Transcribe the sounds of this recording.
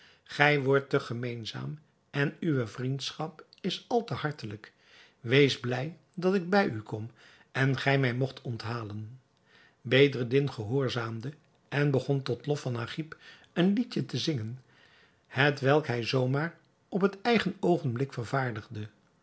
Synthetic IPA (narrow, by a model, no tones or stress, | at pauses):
χɛjʋɔɹtəχəmejnza̰ːm | ɛnyʋəvrintsχɑpɪsɑlˠtəhɑɹtələk | ʋejzblɛj | dɑtɪɡ̚bɛjykʰɔm | ɛnχɛjmɛjmɔχtʰɔntɦaːlən | bejdərdɪnχəɦʊːɹzaːmdə | ɛnbəχɔntɔtlɔfɑnaːχip | ənlitətəzɪŋən | hətʋɛlˠkɦɛjzowmaːr | ɔpɦətɛjχənowχənblɪkfəɹvaːɹdəχdə